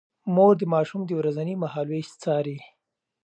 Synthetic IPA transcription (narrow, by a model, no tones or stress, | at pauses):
moɾd̪əmɑʃumd̪əwɾazanimahɑlwest͡sɑɾi